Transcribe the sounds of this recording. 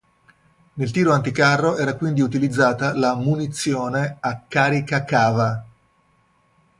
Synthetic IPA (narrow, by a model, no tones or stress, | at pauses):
nelt̪iːɾoant̪ikarːoʔɛːɾakwind̪iut̪ilid̪zːaːt̪alamunit̪sːjoːneakːaːɾikakaːva